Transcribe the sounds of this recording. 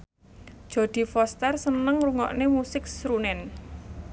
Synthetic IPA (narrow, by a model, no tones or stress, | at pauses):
d̥ʒ̥o̤d̪̥i̤fɔst̪ɛrsənəŋruŋɔ̰ʔnemusɪk̚sɾunɛn